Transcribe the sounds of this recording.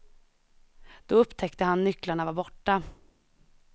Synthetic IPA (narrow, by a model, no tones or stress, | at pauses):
d̪̥ɔɵpːt̪ʰɛkt̪əhanːʏklaɳavaɾbɔʈːa